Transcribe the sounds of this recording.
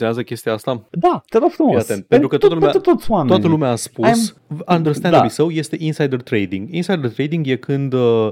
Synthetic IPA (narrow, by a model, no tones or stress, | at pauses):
j̪ʲazəkʲe̞st̪iaast̪ad̪at̪eɾofɾumoat̪e̞nt̪̚peɾkət̪at̪əlueut̪ot̪sʲwamet̪at̪əlumeaaspusm | ãnd̪ərst̪ɛnd̪blisəwje̞st̪e̞ʔinsajd̪ərt̪ɾejd̪ĩŋɡinsajd̪ərt̪ɾejd̪iŋɡje̞kʰɨnd̪ə